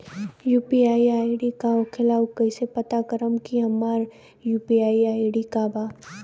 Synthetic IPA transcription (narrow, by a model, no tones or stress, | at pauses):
juːpiaːiaːjɖikaokʰɪlaːwkɐɪsepɐt̪akəɾəmkiɦɐmaːɾ | juːpiaːiaːɪɖikabaː